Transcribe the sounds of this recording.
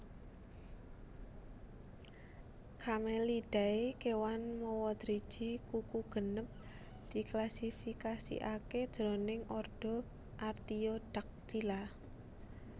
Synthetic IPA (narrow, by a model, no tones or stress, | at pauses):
kʰameliɖ̥a̤ikewanmowɔd̪̥ɾid̥ʒ̥i̤kukuɡ̥ə̤nəp̚ | d̪̥i̤klasifikasḭʔaked̥ʒ̥ɾɔ̤nɪŋʔɔrɖ̥ɔ̤ | ʔart̪ioɖ̥a̤k̚t̪ila